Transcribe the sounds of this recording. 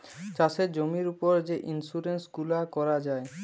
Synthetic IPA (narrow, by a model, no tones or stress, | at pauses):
t͡ɕaʃeɾd͡ʑomiɾupoɾd͡ʑeʔinsuɾensɡulakɔɾad͡ʑae